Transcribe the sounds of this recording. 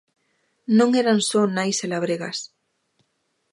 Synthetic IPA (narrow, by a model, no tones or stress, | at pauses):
nõŋeɾansonajselaβ̞ɾeɣas